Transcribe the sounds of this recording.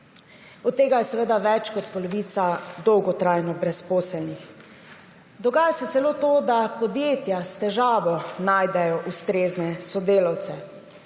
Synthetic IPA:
ɔt̪ːeːɡajɛsɛʋeːd̪aʋɛt͡ʃkɔt̪pɔlɔʋiːt̪sad̪ɔwɡɔt̪ɾajnɔbɾɛspoːsɛlnix | d̪ɔɡaːjasɛt̪sɛloːt̪oːd̪apɔd̪jeːt̪jast̪ɛʒaːʋɔnaːjd̪ɛjɔʔust̪ɾeːznɛsɔd̪eːlawt̪sɛ

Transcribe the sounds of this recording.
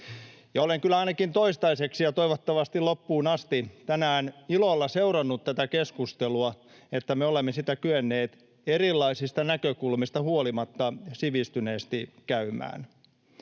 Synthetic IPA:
jɑoleŋkylːˑæɑinɑkint̪oist̪ɑiseksijɑt̪oiʋot̪ːɑʋɑst̪ilopːuːnɑst̪it̪ænæːnilolːɑseurɑnːut̪t̪æt̪ækeskust̪eluɑ | et̪ːæmeolemːesit̪ækyenːeːt̪ | erilːɑisist̪ɑnækøkulmist̪ɑhuolimɑt̪ːɑsiʋist̪yneːst̪ikæymˑæ̰ːn

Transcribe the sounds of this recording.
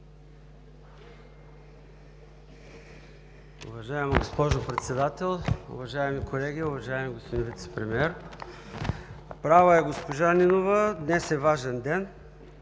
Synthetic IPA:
ʊ̰vɐʒaɛmɡospɔʒopɾɛt̪sɛd̪at̪ɛlˠʊ̰vɐʒaɛmikʰolɛɡʲiʊvɐʒaɛmiɡospod̪invit̪sɛ̥pɾɛmiɛɾ | pɾavəɛɡospoʒaninovəd̪nɛsɛvaʒɛnd̪ɛn

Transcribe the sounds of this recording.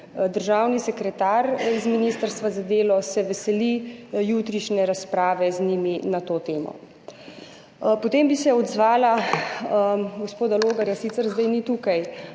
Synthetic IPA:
d̪əɾʒaːwnisɛkɾɛt̪aːɾizminist̪əɾst̪ʋazad̪eːlɔsɛʋɛsɛlijut̪ɾiʃnɛɾaspɾaːʋɛzniminat̪oːt̪eːmɔ̰ | pɔt̪eːmbisɛɔd̪zʋaːla | ɡospoːd̪aloːɡaɾjasit̪sɛɾzd̪ajnit̪uːkaj

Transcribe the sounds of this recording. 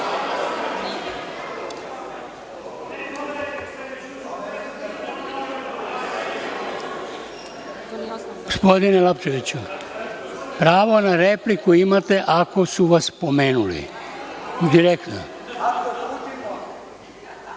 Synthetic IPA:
ɡospod̪inelapt͡ʃoʋit͡ɕu | pɾaːʋo̞naɾeplikuimat̪eʔako̞suʋaspomeːnulḭ | d̪iɾekt̪no̰

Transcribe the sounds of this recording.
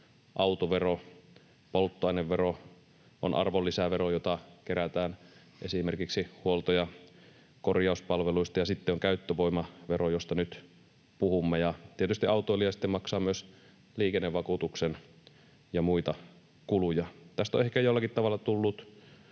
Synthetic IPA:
ʔɑut̪oʋero | polt̪ːoɑˑineʋʋero | ʔo̰nʔɑ̰rʋolːisæʋeɾojot̪ɑkeɾæt̪æːn | ʔesimerkiksihuolt̪ojɑ | korjɑˑuspɑlʋeluist̪ɑjɑsit̪ːeoŋkæyt̪ːøʋoimɑʋerojost̪ɑnyt̪ | puhumːejɑt̪iet̪yst̪iɑˑut̪ːˑoelijɑsi̥t̪ːemɑksɑːmyøs | liːkenːeʋʋɑkut̪uksen | jɑmuit̪ɑ | kulujɑt̪æst̪o̰ehkæjolːɑkit̪t̪ɑʋɑlːˑɑt̪ulːut̪

